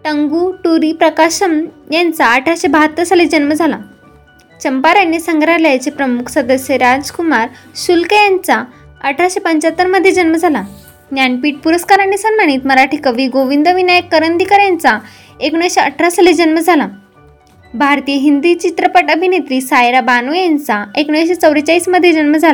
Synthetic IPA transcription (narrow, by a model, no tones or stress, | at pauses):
ʈ̪əŋɡuʈuɾipɾəkaɕəmjant͡saəʈʰɾaɕebʱat̪ːəsəled͡ʑənməd͡zʱala | t͡ɕəmpaɾjanːisəŋɡɾaɾlajt͡sepɾəmukʰsəd̪əsjeɾad͡zkumaɾɕulkəjant͡sa | əʈʰɾaɕepəɲt͡ɕat̪ːəɾməd̪ʱjed͡ʑənməd͡zʱala | njanpiːʈ̚puɾəskaɾanːisənmaɽ̃iːt̪məɾaʈʰiːkəʋiːɡoʋind̪əʋinajəkːəɾənd̪ʱikəɾjant͡sa | ekɳəʋɕeəʈʰɾasəled͡ʑənməd͡zʱala | bʱaɾt̪ijəɦind̪it͡ɕit̪ɾəpaʈəbʱinet̪ɾiːsajɾabanujant͡saekɳəʋɕet͡səwɾət͡ɕaiːsməd̪ʱːjed͡ʑənməd͡zʱala